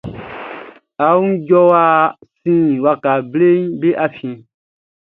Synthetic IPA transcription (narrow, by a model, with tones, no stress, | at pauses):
a˨˦ɟɔ˦wa˦sĩ˦˨wa˧ka˨ble˦ɲ˦be˦ʔa˧fĩ˧